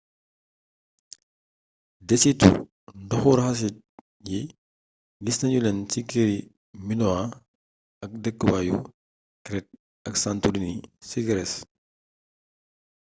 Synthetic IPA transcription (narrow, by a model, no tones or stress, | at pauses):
dɛsitṵ | ndɔxuɾxɐs̬it̚ | ji | lisnɐɲulɛntikeɾi | minɔa | ɐk̚dɛkːəbajṵ | kɾɛt̚ | ɐksantudinisiɡɾɛs